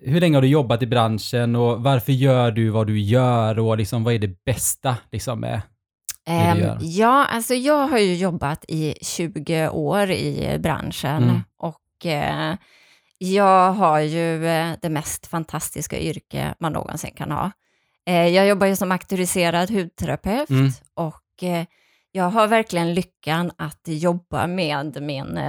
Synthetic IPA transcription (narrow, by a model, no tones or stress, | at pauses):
hɵɭɛŋːəhaɖɵjɔbːat̪ɪbɾanʂənɔvaɾfœɾjœːɖɵvad̪ɵjœːɾɔlɪksɔmvaæɖɛbɛst̪alɪksɔmːɛ̰ | ɾjɑːa̰lsɔjɑːɡɦaɾjɵjɔbːat̪ʰɪɕʉ̟ːɡəʔoːɾɪ̰bɾa̰nʂənʔɔk | jɑːɡɦaɾjɵd̪ɛmɛst̪fant̪ʰast̪ɪska̰ʔʏɾkə̰manːo̰ːɡɔ̰nsɪ̰nːkʰa̰nhɑ̰ː | jɑːɡjɔbːajɵsɔmakt̪ʉɾɪseːɾad̪ɦʉ̟ːd̪̚t̪ʰɛɾapʰɛft̪ʔɔkː | jɑːɡɦaɾvæɾklɪɡənlʏkʰːanat̪jɔbːa̰meːd̪mɪn